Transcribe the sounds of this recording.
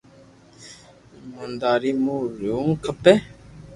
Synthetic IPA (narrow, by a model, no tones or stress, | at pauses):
mund̪aɾimuɾuŋkʰəpɛ